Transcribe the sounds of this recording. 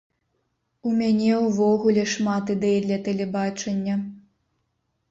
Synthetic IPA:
umʲanʲɛwvɔɣulʲɛʂmat̪id̪ɛjid̪lʲɐt̪ɛlʲɛbat͡ʂɐnʲːɐ

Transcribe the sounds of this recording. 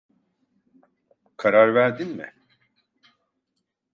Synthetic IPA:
kʰaɾaɾvæɾd̪inmɪ̰

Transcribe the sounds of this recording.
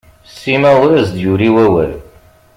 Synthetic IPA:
sːimæʊɾæzd̪juɾiwæwæ̰ð

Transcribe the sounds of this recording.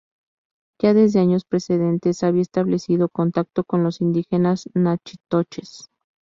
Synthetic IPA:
ʝaðe̞zðe̞aɲo̞spɾe̞se̞ðe̞nt̪e̞saβiaest̪aβle̞siðo̞ko̞nt̪ak̚t̪o̞ko̞nlo̞sind̪ixe̞naznat͡ʃit̪ot͡ʃes

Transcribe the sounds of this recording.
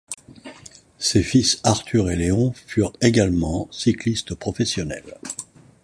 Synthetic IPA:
sefisaʁt̪ʰyʁeleɔ̃fyʁeɡalmɑ̃siklist̪pχɔfɛsjɔnɛ̰l

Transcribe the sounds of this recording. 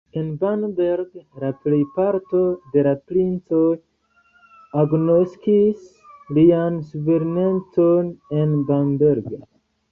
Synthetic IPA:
enbanbeɾɡlaple̞jpaɾto̞de̞lapɾint͡so̞j | aɡnoskis | liansuve̞ɾenent͡so̞ne̞nbanbe̞ɾɡo̰

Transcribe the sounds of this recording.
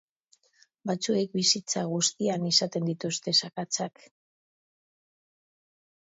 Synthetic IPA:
bat͡sue̞k̚bisit͡saɣ̞ust̪ianisat̪e̞nd̪it̪ust̪e̞sakat͡sak

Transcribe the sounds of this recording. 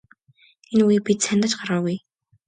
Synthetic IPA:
enuipit̪sʰænt̪ə̆t͡ɕɢaɾaːwuj

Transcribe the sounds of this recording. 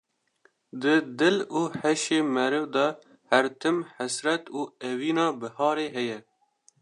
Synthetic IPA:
d̪ɨd̪ɨluːhɛʃeːmɛɾɨvd̪ɛ | hæɾt̪ʰɨmħasɾɛt̪uːɛviːnɑːbɨhɑːɾeːɦɛjɛ

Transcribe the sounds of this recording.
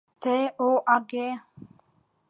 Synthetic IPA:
t̪ʰeːoːʔaɡeː

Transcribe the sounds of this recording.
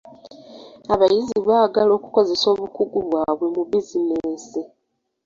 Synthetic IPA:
aβajiziβaːɡalo̞ːku̥ko̞ze̞so̞ːβukuɡuβwaːβwe̞muβizineese

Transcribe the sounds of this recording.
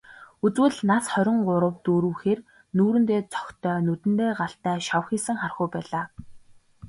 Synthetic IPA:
ut͡swɘ̆ɮnasχœɾʲɪ̆ɴɢʊɾə̆wt̪uɾuːxeːr | nuːɾɘ̆nt̪eːt͡sɔ̥xt̪ʰœːnut̪ɘ̆nt̪eːɢaɬt̪æːʃawxiːsɘ̆ŋχarχʊjpæːɮaː

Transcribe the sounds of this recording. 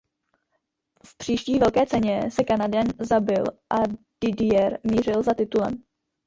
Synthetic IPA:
fpr̝̥iːʃciːvɛlkɛːt͡sɛɲɛsɛkanadɛnzabɪlʔa | d̥ɪdɪjɛɾmiːrɪlzat̪ɪt̪ulɛ̰m

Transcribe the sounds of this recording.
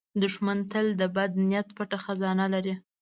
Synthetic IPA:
d̪əʒmant̪əld̪əbad̪nijat̪paʈaxazɑnalaɾi

